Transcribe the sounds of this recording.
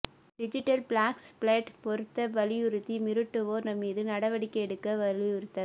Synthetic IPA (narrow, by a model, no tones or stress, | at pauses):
ɖɪd͡ʒɪʈːɐlpɭaːkspɭɐʈpɔɾɯt̪ːɐʋɐlɪjʊɾɯt̪ːimɪɾɯʈːɯoːɾnɐmiːðɯnɐɽɐʋɐɽɪkːɐɛɽɯkːɐʋɐlijʊɾɯt̪ːɐ